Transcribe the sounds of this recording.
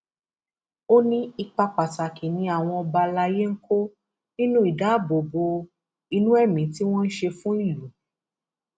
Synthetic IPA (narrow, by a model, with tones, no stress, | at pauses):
o˦nĩ˦i˧k͡pa˧k͡pa˨ta˨kʰe˨nĩ˧a˨w̃ɔ̃˧ɔ˧ba˧la˧je˦ŋ̩˦kʰo˦ | nĩ˦nũ˦i˦˨da˨˦bo˨bo˧ | i˧nũ˦ɛ˦˨mĩ˨˦ti˦w̃ɔ̃˦n̩˦ʃe˧fũ˦i˦˨lu˨˦